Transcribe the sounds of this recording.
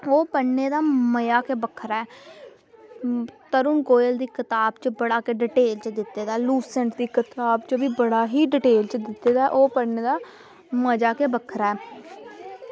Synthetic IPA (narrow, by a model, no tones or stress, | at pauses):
oːpəːeːd̪aːməjaːkeːbəkʰɾaːɛː | t̪əɾʊnkoːəld̪iːkɪt̪aːbt͡ʃəbəɽaːkeɖɪʈeːlt͡ʃəd̪ɪt̪ːeːd̪aːluːsɛ̃ɳʈd̪iːkɪt̪aːbt͡ʃəbiːbəɽaːɦiːɖɪʈeːlt͡ʃəd̪ɪt̪ːeːd̪aːʔoːpəneːd̪aː | məd͡ʒaːkeːbəkʰɾaːɛː